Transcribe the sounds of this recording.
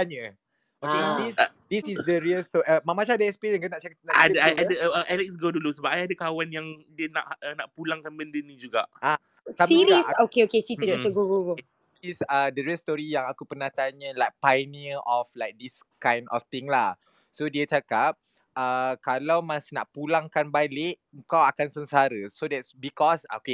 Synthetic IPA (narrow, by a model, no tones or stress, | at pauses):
aɲa | okedisdisisdəɾiəlst̪ɔəmãmat͡ʃãdəɛkspiɾiə̃nkənaʔt͡ʃakap̚naadaajadəəəʔalɛks̬ɡodulusəbap̚ajadakawanjaŋdiəna̰ʔənaʔpulaŋkanbəndənid͡ʒuɡaʔa | sabiɾisokeoket͡ʃitət͡ʃit̪əɡuɡuɡu | isədəɾɛst̪ɔɾijaŋakupərnaht̪aɲəlajk̚pajmiəʔɔflajk̚diskãjndʔɔ̰ft̪ĩŋlah | sodiat͡ʃakap̚ | əkalawmasina̰ʔpulaŋkanbalɪʔ | əŋkawakansənsaɾəsodɛtsbikɔsoke